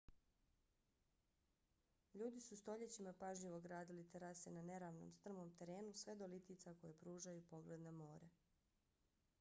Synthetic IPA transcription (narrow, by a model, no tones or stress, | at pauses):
ʎuːd̪isust̪o̞ʎet͡ɕimapaʒʎiʋo̞ɡɾaːd̪ilit̪eɾasenane̞ɾaːʋno̰mst̪r̩mo̞ːmt̪e̞ɾe̞ːnusʋe̞d̪o̞lit̪iːt̪sako̞jepɾuːʒajupo̞ɡled̪nemo̞ːɾe